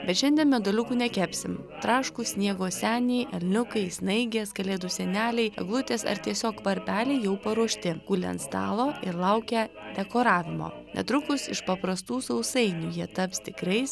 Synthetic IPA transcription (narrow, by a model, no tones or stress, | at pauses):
bʲɛt̪ʃʲɛnd̪ʲiɛnmʲɛd̪olʲʊkuːnʲɛkʲæːpʲsʲɪmt̪ɾɑːʃkusʲnʲiɛɡoːsʲæːnʲɛɪʔɛlʲnʲʊkɐɪsnɐɪɡʲeːskɐlʲeːd̪ʊsʲɛnʲæːlʲɛɪɐ̰ɡlˠʊt̪ʲeːsɐ̰ɾt̪ʲiɛsʲoːkpɐɾʲpʲæːlʲɛɪjɛʊpɐɾuɔʃʲt̪ʲɪɡ̥ulʲɛ̰nt̪st̪ɑ̰ːlˠoːɪɾlˠɐʊkʲɛ | d̪ʲɛkoːɾɑːʋʲɪmo̰ː | nʲʔɛ̰t̪ɾʊkʊsɪʃpɐpɾɐst̪uːsɐʊsɐɪnʲujiɛt̪ɐpst̪ʲɪkɾʲɛɪs